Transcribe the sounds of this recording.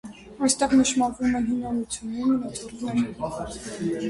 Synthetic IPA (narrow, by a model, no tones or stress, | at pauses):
ɑjst̪ɛʁnəʃmɑɾvumɛnɦinɑnut͡sʰjunːɛnənɔt̪ɔɾɛn